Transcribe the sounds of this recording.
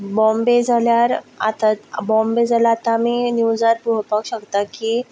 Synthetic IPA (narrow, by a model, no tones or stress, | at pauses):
bɔ̃mbed͡zʱaljaɾa̰t̪abɔ̃mbed͡zʱalaːt̪amiːnuwd͡zaɾpuɦpakɕəkt̪akiː